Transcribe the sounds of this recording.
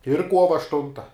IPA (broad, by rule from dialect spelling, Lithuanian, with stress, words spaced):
ɪr ˈkuɔʋɐ ɐʃˈtʊntɐ